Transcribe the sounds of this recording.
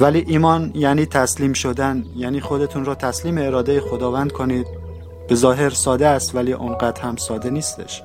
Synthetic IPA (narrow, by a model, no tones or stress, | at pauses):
væliːʔiːmɒːnjæniːt̪ʰæsliːmʃo̞d̪ænjæːniːxo̞d̪e̞t̪ʰuːnɾɒːt̪ʰæsliːmeːɾɒːd̪ejexo̞d̪ɒːvænd̪̚kʰo̞niːd̪̥̚ | b̥e̞zɒːɦe̞ɾsɒːd̪eæst̪væliːʔonɢæt̪hæmsɒːd̪e̞niːst̪ḛʃ